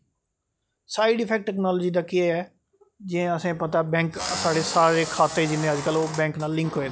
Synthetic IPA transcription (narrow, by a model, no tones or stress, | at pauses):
saːɪɖɪpʰɛːk̚ʈːɛːknɔːlːd͡ʒiːd̪aːkɪɛːɛː | d͡ʒɪẽəsẽːpət̪aɛbɛ̃ːŋksaːɽeːsaːɾeːkʰaːt̪ːeːd͡ʒɪnẽːəd͡ʒkəloːbɛ̃ːŋknaːlːɪ̃ŋkɦoːeːd̪a